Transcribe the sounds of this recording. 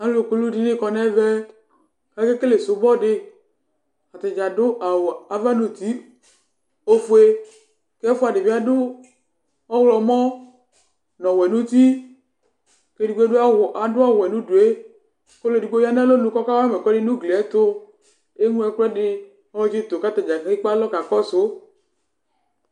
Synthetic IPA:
a˨˦lo˦˨ko˦lu˦di˦nẽ˦˨kɔ˧nɛ˦vɛ˦ | ka˦ke˦ke˦le˨sʊ˨˦bɔ˦ɖe˦ | a˨t̪e˨d͡ʒa˨dʊ˦ʔa˨a˨va˦nũ˨t̪i˨˦ | o˦fu˦e˦ | kfʊ˦a˨de˨vi˨˦a˦dʊ˦ | ɔ˦wlɔ˨mɔ̃˦ | nɔ̃˨wɛ˨nũ˦t̪i˦ | ke˦di˨ɡ͡be˦do˦a˦wʔa˨dʊ˦a˦wɛ˨nũ˦ɖu˨e˦ | ko˦le˨i˨ɡ͡bo˦ja˦nã˦lo˦nũ˨kɔ˦ka˦wa˦mɛ˨kɔ˦de˦nũ˦ɡle˨ɛ˦t̪o˦ | e˦ŋũ˦ɛ˨klɛ˦ɖɪ˦ | ɔ˦lɔ˦d͡ʒe˦t̪o˨ka˦t̪ɛ˨d͡ʒa˨ki˦k͡pa˦lɔ˦ka˨kɔ˦so˦

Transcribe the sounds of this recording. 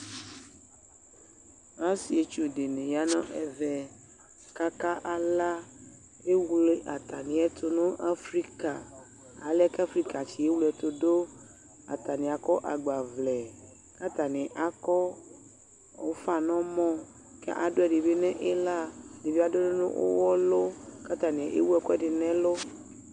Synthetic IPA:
ã˦si˨e˨t͡ʃu˦de˨nɛ̃˨ja˦nɔ̃˦ʔɛ˨vɛ˨ | ka˦ka˦ʔa˦la˦ | e˦wu˦le˦ʔa˨t̪a˨nĩ˨ɛ˦t̪ʰo˦nũ˦ʔa˦fɾi˦ka˨ | a˨˦lka˦fɾi˦ka˨t͡ɕi˨e˦wu˦lɛ˨t̪o˦do˦ | a̰˨t̪a˨nĩ˨a˨kɔ˦ʔa˨ɡ͡ba˨vlɛ˨ | ka˦t̪a˨nɛ̃˨ʔa˨kɔ˦˨ | wo˦fa˨nɔ̃˦mɔ̃˦ | kɛ̰˦ʔa˨ɖo˦ɛ˨ɖe˨be˦nɛ̃˦ʔe˦la˦˨de˨be˦a˨do˦no˦nṵ̃˦ʔo̰˦wɔ˦lo˦ka˦t̪a˨nɛ̃˨ʔḛ˦wu˦ɛ˦kɔ˦ɛ˦˨ɖe˨nɛ̃˦lo˦

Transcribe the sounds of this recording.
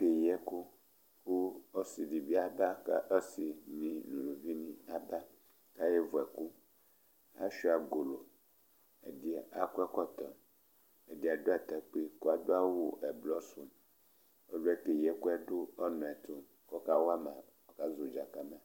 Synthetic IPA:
ke˨jɛ˦ku˦ | ku˦o˦si˨di˨bi˦a˦ba˦ka̰˦ʔo˦si˨nĩ˨nũ˨lu˨vi˦nĩ˦a˨ba˦ | ka˦jɛ˦vo˨ɛ˨ku˦ | a̰˦ʃi˦a˨ɡo˨lo˨ | ḛ˨di˦˨a˨ku˦ɛ˦kɔ˦t̪ɔ˨ | e˨di˨a˨do˦a˨t̪ɛ˨k͡pe˦ko˦a˨d̪o˦a˦wu˦ʔɛ˨blɔ˦su˦m | o˦ɖo˦ɛ˦ke˨jɛ˨ku˦ɛ˦ɖo˦ɔ˦nɔ̃˨ɛ˨t̪o˦ | kɔ˦ka˦wa˦mã̰˨ | o˨ka˦zo˨d͡ʒa˨ka˦mɛ̃˨

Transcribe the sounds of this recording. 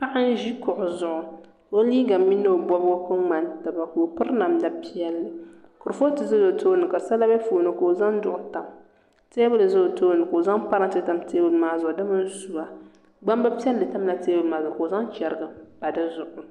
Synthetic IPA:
pa˦ʔa˦n˦ʒi˦kʊ˨ʔʊ˨zʊ˨ʔʊ˨ | o˦liː˦ɡa˨mi˦nːa˦o˨bɔ˦bkɨ˦ŋ͡ma˨nta˨ba˨ko˨pɨ˦ɾna˨mda˨˦pi˦ɛ˦lːɨ˨ | kʊ˨ɾfo˦tɨ˨zo˦zo˨tʰoː˦nɨ˨ka˨sa˦la˦bɛ˦foː˨nɨ˨ka˨o˨za˦ŋdʊ˨ʔʊ˨ta˨m | teː˦bɨ˦lɨ˨zʊ˦o˨toː˦nɨ˨ko˨za˦ŋpa˦ɾɨ˦ŋtɨ˦ta˨mteː˦bɨ˨lmaː˦zʊ˨ʊ˨dɨ˦mɨ˦n˦su˨a˨ | ɡ͡ba˦mba˦pi˦ɛ˦lːɨ˨ta˦m˦la˦teː˦bɨ˨lmaː˨zʊ˨ʊ˨ko˨za˦ŋt͡ʃɛ˨ɾɡɨ˨ba˨dɨ˦zʊ˨ʔʊ˨

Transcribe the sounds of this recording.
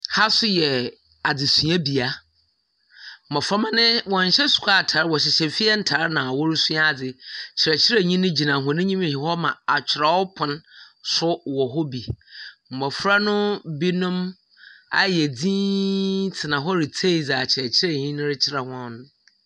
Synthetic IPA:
ha˦sʊ˦jɛ˨ | a˨d͡zɪ˨sũ˨ã˦bi˨a˦ | m̩˨mɔ̃˨fɾa˦mã˦nɪ̃˦wɔ̃˨ɲ̩˨ɕɛ˦sʊ̥˨kʰʷa˦˨tʰa˨ɾwɔ˨ɕ̬ɪ˨ɕɛ˨fi˦ɛ˦n̩˦tʰa˨ɾnã˨wɔ˦ɾʊ˦sũ˦a˦a˨d͡zɪ˨t͡ɕʰɪ˨ɾɛ˨t͡ɕʰɪ˦ɾɛ˦ɲĩ˦nʊ̃˦d͡ʑi˨nã˨ɦɔ̃˨nʊ̃˦ɲĩ˦mĩ˨hɪ˨hɔ˦mã˨a˨t͡ɕᶣʰɪ˨ɾa˨wɔ˦pʰʊ̃˦nsʊ˦wɔ˨ɦɔ˦bi˨m̩˨mɔ˨fɾa˦nʊ̃˦bi˦nʊ̃˦m | a˦jɛ˨d͡zĩː˦tʰɪ˨nã˨ɦɔ˦ɾi˨tʰe˦˨d͡za˨t͡ɕʰɪ˨ɾɛ˨t͡ɕʰɪ˦ɾɛ˦˨ɲĩ˦nʊ̃˦ɾɪ˦t͡ɕʰɪ˦ɾɛ˨hɔ̃˦n˦

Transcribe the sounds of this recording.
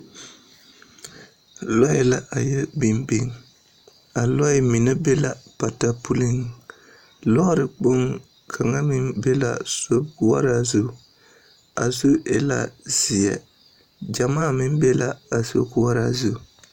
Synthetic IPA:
lɔ˦jɛ˨la˦ʔa˨jɛ˦bi˨mbi˦ŋ | a˨lɔ˦ɪ˨mi˨na˦bɛ˦la˨pa˨ta˦pu˦lɪ˦ŋ | lɔ˦ɾɪ˨k͡pʊ˦ŋ | kʰa˨ŋa˦mɪ˦mbɛ˦la̰˨so˦bku˨wa̰˦ɾa˦zʊ˦˨ | a̰˨zo˦ʔɛ˨la̰˦zi˨jɛ̰˦˨ | d͡ʒa˨maː˦˨mɪ˦m˦bɛ˦la˦a˨so˦ku˦wa˦ɾa̰˨zʊ˦˨

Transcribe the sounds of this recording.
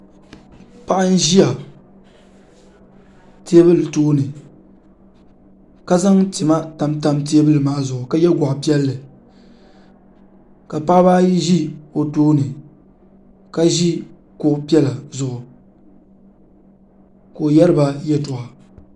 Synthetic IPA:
pa˦ʔa˦n̩˦ʒi˦a˨ | tʰe˦bɨ˦lɨ˨toː˦nɨ˨ | ka˦za˦ŋti˨ma˦ta˦mta˦mt̬e˦bɨ˦lɨ˨maː˦zʊ˨ʔʊ˨ka˦jɛ˦ɡʷa˨ʔpi˦ɛ˦lːɨ˨ | ka˨pa˦ʔbaː˦ji˦ʒi˦o˨toː˦nɨ˨ | ka˦ʒi˦ | kʊ˨ʔpi˦ɛ˦la˨zʊ˨ʔʊ˨ | ko˨o˨jɛ˦ɾɨ˦ba˦jɛ˦tʊ˨a˨

